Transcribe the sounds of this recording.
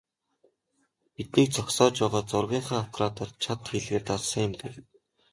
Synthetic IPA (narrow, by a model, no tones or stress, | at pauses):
pit̪niːk̚t͡sʰɔksɔːt͡ɕpæːʁɔːt͡sʊrɣʲiːɴχaːŋawt̪ɾaːt̪ɔrt͡ɕʰat̪xiɮɣeːrt̪aɮsə̆ŋʊmpe